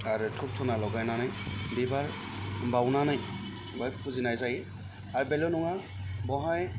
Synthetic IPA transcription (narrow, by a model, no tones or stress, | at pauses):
aɹutʰup̚tʰɔnalɔɡajnanajbibaɹ | bawnanaj | ɡɔjpʰuzinajzaji | aɹubɛlɔnɔŋa | bɔɦaj